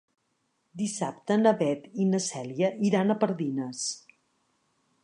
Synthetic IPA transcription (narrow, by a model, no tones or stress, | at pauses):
d̪isap̚t̪ənəβɛt̪inəsɛljəʔiɾanəpəɾðinəs